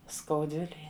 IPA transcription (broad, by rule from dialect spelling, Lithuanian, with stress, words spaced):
skɐʊˈdʲʋʲɪlʲeːj